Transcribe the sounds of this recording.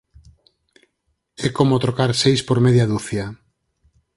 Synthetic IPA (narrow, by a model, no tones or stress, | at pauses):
ɛkomot̪ɾokaɾsejspoɾmeðjaðuθja